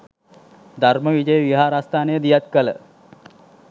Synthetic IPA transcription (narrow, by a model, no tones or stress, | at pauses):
d̪ʱarməʋid͡ʒəjəʋiɦaːɾast̪ʰaːnəjəd̪ijat̪̚kələ